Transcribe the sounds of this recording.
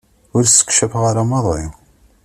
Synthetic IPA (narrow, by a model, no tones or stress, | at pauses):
ʊɾsə̥kʃæfʁaɾamɑðˤɪ